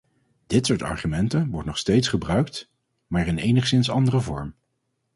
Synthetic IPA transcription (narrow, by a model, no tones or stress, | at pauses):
d̥ɪtsʊːɹtɑ̰ɹχymɛntənʋɔɹtnɔχstejtsχəbrœɥk̚t | maːɹɪnejnəχsɪnsɑndərəvɔɹm